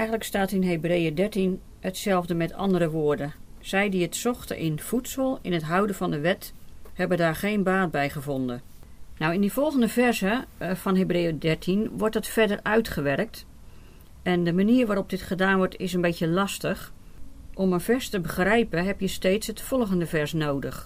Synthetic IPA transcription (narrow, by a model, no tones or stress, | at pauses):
ɛjɣən̩ləkstaːtɪnɦebrejədɛɹtin | hətsɛlˠvdəmɛtʰɑ̰ndəɾəʋoːɹdə | z̥ɛjdiətsɔχtə̰ʔɪnv̥utsəlˠɪnətɦʌwdəvɑndəʋɛt | hɛbədaːɹχejnbaːt̚bɛjχəvɔndə | nawɪndiv̥ɔlˠχəndəvɛrzəv̥ɑnɦebrejədɛɹtʰinʋɔɹt̚dɑtfɛɹdərœɥtχəʋɛrk̚t | ʔɛndəmaniːɹʋaːɾɔp̚dɪtχədaːnʋɔɹtɪsənbetəlɑstəχ | ʔɔmənv̥ɛɹstəbəχrɛjpənɦɛpjəstejtsɦətfɔlˠχəndəvɛɹsnowdəχ